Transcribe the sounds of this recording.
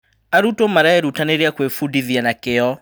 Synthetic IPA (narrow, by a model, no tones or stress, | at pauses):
aɾutomaɾaɛɾutaneɾeakwefudiðianakeɔ